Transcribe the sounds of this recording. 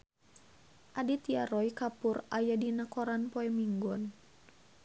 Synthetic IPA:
ʔadit̪iaɾɔikapurajadinakɔɾanpɔɛmiŋɡɔn

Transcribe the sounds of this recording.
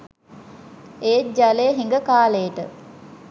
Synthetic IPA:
eːd͡ʒaleɦiŋɡəkaːlejəʈə

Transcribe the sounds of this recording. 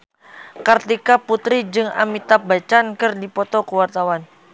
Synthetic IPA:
kart̪ikaput̪ɾid͡ʒɨŋa̰mit̪abat͡ʃankɨrdipɔt̪ɔkuwart̪awan

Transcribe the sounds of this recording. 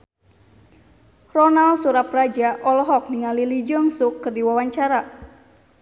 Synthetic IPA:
rɔnalsuɾaprad͡ʒaʔɔlɔɦɔk̚niŋalilid͡ʒɔŋsʊkːɨrdiwawaɲt͡ʃaɾa

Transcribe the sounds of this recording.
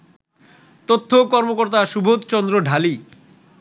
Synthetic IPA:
t̪ot̪ʰːokɔɾmokoɾt̪aʃubʱot̪t͡ɕɔnd̪ɾoɖʱali

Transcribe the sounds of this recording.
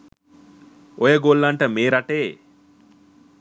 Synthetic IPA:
ɔjɐɡoːlːɐɳʈɐmeːɾɐʈeː

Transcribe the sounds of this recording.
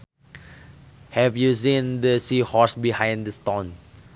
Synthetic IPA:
hɛvjusĩndəsihɔsbihãjndəstõn

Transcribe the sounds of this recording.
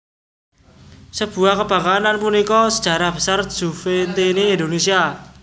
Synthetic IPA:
səb̥ṳahkəb̥ä̤ŋkananpunikɔsəd̥ʒ̥a̤ɾahb̥ə̤sar̥ʒ̥ufent̪iniːnd̪onesia

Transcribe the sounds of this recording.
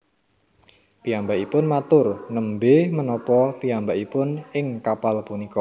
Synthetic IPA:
piambaʔipʊnmat̪ʊrnəmbemənɔpɔpiambaʔipʊnɪŋkapalpunikɔ

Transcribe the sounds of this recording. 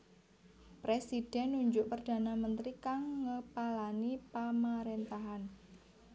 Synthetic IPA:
pɾesid̥ɛnːuɲd͡ʒʊʔpərd̥a̤namənt̪ɾikaŋːəpalanipamaɾent̪aɦan

